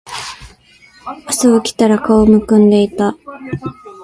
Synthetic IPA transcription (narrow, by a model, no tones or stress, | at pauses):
asɨokʲi̥t̪aɾakaomɯ̟kɯ̟̃nd̪e̞it̪a